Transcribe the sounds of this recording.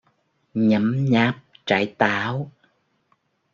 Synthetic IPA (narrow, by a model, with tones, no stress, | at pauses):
ɲə˨˦mɲaː˦˥p̚t͡ɕa̰ː˧˨˩jt̪aː˧˦w